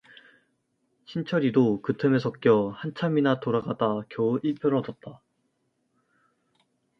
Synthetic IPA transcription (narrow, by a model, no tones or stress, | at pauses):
ɕʰint͡ɕʰʌɾidokɯtʰɯmesʰʌk͈jʌhant͡ɕʰaminatoɾaɡadakjʌiɭpʰjʌɾʌdʌt̚t͈a